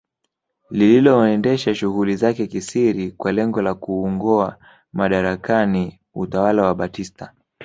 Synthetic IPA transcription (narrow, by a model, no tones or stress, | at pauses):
lililɔɛndɛʃaʃuɣulizakɛkisiɾikwalɛŋɡɔlakuːŋɡɔa | maɗaɾakani | utawalawaɓatista